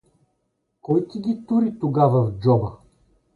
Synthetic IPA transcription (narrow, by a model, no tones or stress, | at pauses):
kɔjk̪ʲiɡʲit̪uɾit̪oɡavɐvd͡ʒɔbə